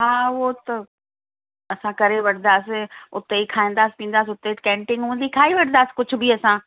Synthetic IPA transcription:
ɦaːʊɦot̪ɐ | ɐsãkɐɾeʋɐʈʰnd̪aːsɪʊt̪eikʰaːĩːnd̪aːsɪ̥pĩːn̆d̪aːs̬ɪʊt̪ekɛ̃ːɳʈɪ̃ŋɡɦũːn̆d̪iːkʰaːiʋɐʈʰnd̪aːsɪ̥kʊd͡ʑʱʊ̆biɐsã

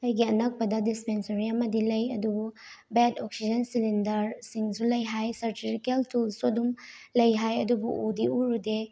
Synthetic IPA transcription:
ɐjɡiɐnɐk̚pɐdɐdispensɐɾiɐmɐdilɐjɐdububetɔk̚sid͡ʒɐnsilindɐɾsiŋsulɐjɦajsɐɾtifikeltulsodum | lɐjɦajɐdubuudiuɾude

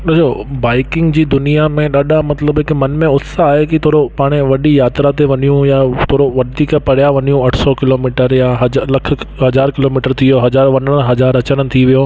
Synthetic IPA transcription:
ɗesʰobaːɪkɪ̃ŋɡd͡ʑiːd̪ʊnijamẽɗaːɗamɐt̪ləbɪkmɐnmẽʊsaːɦekit̪ʰoːɾopaːɽ̃eʋɐɗijaːt̪ɾat̪eʋɐɲijũjat̪ʰoːɾoʋɐɗ̪ikapɐɽ̤jaʋɐɲijũɐʈʰsɔkɪloːmiːʈəɾjaɦɐlɐkʰɦɐd͡ʑaːɾkɪloːmiːʈəɾt̪ʰioɦɐd͡ʑaːɾʋɐɲəɽə̃ɦɐd͡ʑaːɾɐt͡ɕəɽ̃ɪ̆t̪ʰiʋijo

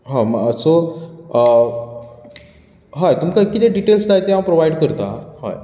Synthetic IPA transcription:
ɦãmso | ɦajt̪umkakit̪eɖiʈelsd͡zajt̪eɦampɾoʋajɖɽkəɾt̪aha̰j

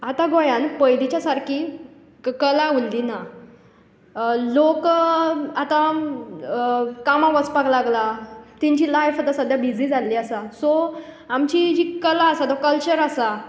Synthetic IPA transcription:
at̪aɡojanpəjd̪it͡ɕasaɾkʰi | kəlaulːina | lok | at̪ã | kamãʋət͡spaɡlaɡlat̪ĩɲt͡ɕilajfat̪asəd̪ʱjabid͡zid͡zalːiːasasɔ | amt͡ɕid͡ʑikəlaːsat̪ɔkəlt͡ɕəɾasa

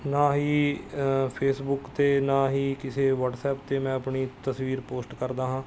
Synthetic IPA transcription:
nãːɦiː | pʰeːsbʊkt̪eːnãːɦiːkɪseːʋəʈsɛːp̚t̪eːmɛ̃ːəpɳiːt̪əsʋiːɾpoːsʈkəɾd̪aːɦãː

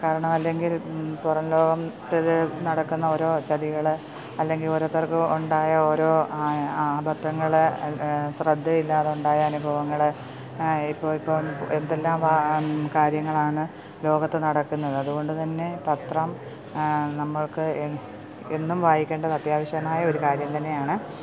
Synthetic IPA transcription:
kaːɾɐɳɐmɐlːe̞ŋɡilpurɐnlo̞ːɡɐmt̪ilnɐɽɐkːunːɐo̞ːɾo̞ːt͡ɕɐðiɣɐɭɨ | ɐlːe̞ŋɡilo̞ːɾoːt̪ːɐrkɨuɳɖaːjɐo̞ːɾo̞ː | aːbʱɐt̪ːɐŋːɐɭ | srɐd̪ʱːɐilːaːðuɳɖaːjɐɐnubʱɐʋɐŋːɐɭɨ | ipːoːɭipːoːend̪e̞lːaːmʋakaːɾjɐŋːɐɭaːɳɨ | lo̞ːɡɐt̪ːenɐɽɐkːunːɐðɨɐðuɣo̞ɳɖɨt̪ɐnːe̞pɐt̪rɐm | nɐmːɐɭkɨ | enːumʋaːjikʲːe̞ːɳɖɐðɐt̪jaːʋɐɕjɐmaːjɐo̞ɾukaːɾjɐmt̪ɐnːe̞jaːɳɨ

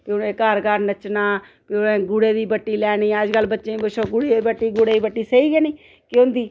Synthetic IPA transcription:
pɪʊnẽːkəɾɡəɾnət͡ʃnaː | piːʊnẽːɡʊɽeːd̪iːbəʈːiːlɛːniːəd͡ʒkəlbətːʃẽːbəʃʰoːɡʊɽeːibəʈːiːɡʊɽeːiːbəʈːiːsəiːɡɛːniː | kõnd̪iː

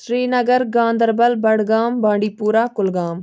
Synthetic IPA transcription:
ʃɾiːnɐɡəɾɡãːnd̪əɾbəlbɐɽɡaːmbãːɳɖiːpuːɾaːkʊlɡãːm

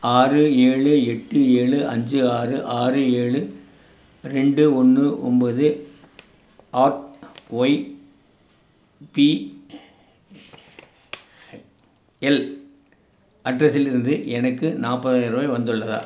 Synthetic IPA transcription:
aːrɯeːɭɯɛʈːɯeːɭɯɐɲd͡ʒɯaːrɯʔaːrɯeːɭɯ | ɾɛɳɖɯɔnːɯʔɔ̰mboːðɯ | ʔaːʈʋɔɪ | pi | ɛl | ɐɖrɐsɪlɪɾɯnd̪ɯʔɛnɐkːɯnaːpːɐðaːjɪɾɐmɐɪʋɐnd̪ɯɭːɐða̰ː

